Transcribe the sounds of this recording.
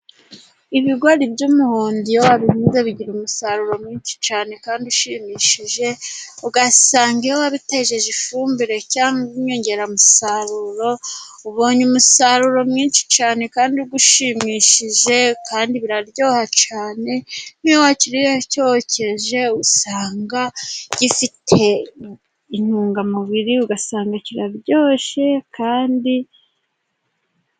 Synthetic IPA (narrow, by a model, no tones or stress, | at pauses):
iβiɡwaɾibɟumuhoːndijowaβihiːnzeβiɟiɾumusaɾuɾo̞mɲiːnʃi̥t͡ʃaːne̞kaːndiuʃimiːʃiʒe̞uɡasaːŋɡijowaβiteʒe̞ʒifuːmbiɾe̞caːŋuɲoɲɟe̞ɾamusaɾuɾo̞ | uβoːɲumusaɾuɾo̞mŋiːnʃi̥t͡ʃaːne̞kaːndiɡuʃimiʃiʒe̞kaːndiβiɾaɾɟo̞ːhat͡ʃaːne̞n̥iwaciɾiɾecooce̞ʒe̞usaːŋɡaɟ̥ifitʰe̞ | in̥uːŋɡamuβiɾiuɡasaːŋɡaciɾaɾɟo̞ːʃe̞kʰaːndi